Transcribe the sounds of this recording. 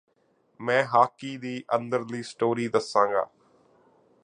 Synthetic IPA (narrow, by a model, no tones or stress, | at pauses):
mɛ̃ːɦaːkiːd̪iːʔə̃nd̪əɾliːsʈoːɾiːd̪əsãːŋɡa̰ː